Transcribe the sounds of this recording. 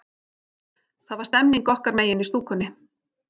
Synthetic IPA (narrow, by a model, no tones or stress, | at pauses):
θaðvaɾst̪ɛmniŋkɔhkaɾmeːjɪnist̪uːkʰʏnːɪ